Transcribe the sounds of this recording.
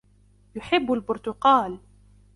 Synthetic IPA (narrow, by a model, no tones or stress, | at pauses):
jʊħɪbːalbʊɾt̪ʊqɑːl